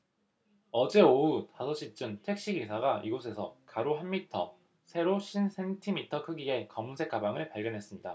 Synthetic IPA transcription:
ʌd͡ʑe̞outasʰʌɕ͈it͡ɕ͈ɯntʰe̞k̚ɕ͈iɡesʰaɡaʔiɡosʰe̞sʰʌkaɾoɦanmitʰʌ̰ | sʰe̞ɾoɕʰinsʰe̞ntʰimitʰʌkʰɯɡie̞kʌmunsʰe̞k͈abaŋɯɭpaɭɡjʌnɦe̞s͈ɯmɲida

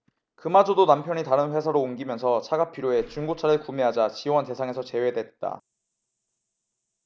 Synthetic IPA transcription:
kɯmad͡ʑodonampʰjʌɲitaɾɯnɸwe̞sʰaɾoːnɡimjʌnsʰʌt͡ɕʰaɡapʰiɾjoe̞t͡ɕuŋɡot͡ɕʰaɾɯɭkumeɦad͡ʑat͡ɕiwʌnte̞sʰaŋe̞sʰʌt͡ɕe̞we̞dwe̞t̚t͈a̰

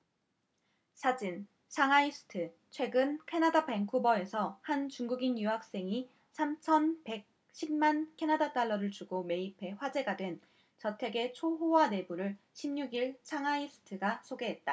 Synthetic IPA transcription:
sʰad͡ʑin | t͡ɕʰaŋaisʰɯ̥tʰɯ | t͡ɕʰwe̞ɡɯnkʰe̞nadabeŋkʰubʌe̞sʰʌhant͡ɕuŋɡuɡinjuɦak̚s͈e̞ŋi | sʰamt͡ɕʰʌnpe̞k̚ | ɕʰimmankʰe̞nadat͈aɭːʌɾɯɭt͡ɕuɡome̞ipʰe̞ɸwad͡ʑe̞ɡadwe̞n | t͡ɕʌtʰe̞ɡe̞t͡ɕʰoɦowane̞buɾɯɭ | ɕʰimɲuɡiɭt͡ɕʰaŋaisʰɯ̥tʰɯɡasʰoɡe̞ɦe̞t̚t͈a

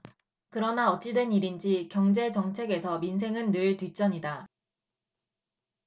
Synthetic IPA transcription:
kɯɾʌnaʌt͡ɕ͈idwe̞niɾind͡ʑikjʌŋd͡ʑe̞t͡ɕʌŋt͡ɕʰe̞ɡe̞sʰʌminsʰe̞ŋɯnːɯɭtwɥit͡ɕ͈ʌɲida

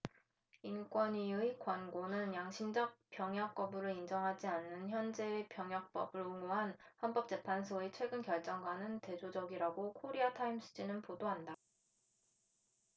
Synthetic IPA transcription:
ink͈wʌniɯikwanɡonɯnjaŋɕʰimd͡ʑʌk̚p͈jʌŋɦjʌk̚p͈ʌbɯɾɯind͡ʑʌŋɦad͡ʑianːɯnçjʌnd͡ʑepjʌŋjʌk̚p͈ʌbɯɭuŋoɦanhʌnp͈ʌp̚t͡ɕ͈e̞pʰansʰoet͡ɕʰwe̞ɡɯnkjʌɭt͡ɕ͈ʌŋɡwanɯnte̞d͡ʑod͡ʑʌɡiɾaɡokʰoɾiatʰaims͈ʰɯ̥d͡ʑinɯnpodoɦanda

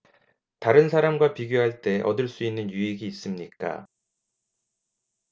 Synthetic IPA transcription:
taɾɯnsʰaɾamɡwapiɡjoɦaɭt͈e̞ʔʌ̰dɯɭs͈uinːɯnjuiɡiːs͈ɯmɲik͈a̰

